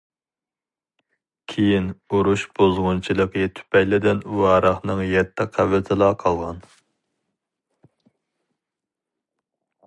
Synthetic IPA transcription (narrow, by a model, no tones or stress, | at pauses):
kʲʰejinoɾuʃb̥ozʁʊnt͡ʃʰilˠəqət̪ʰy̥pɛjlɪd̪ɪnuɑɾɑχnɨŋjɛt̪ʰːɪqʰævɪt̪ʰɪlˠɑqʰɑlˠʁɑn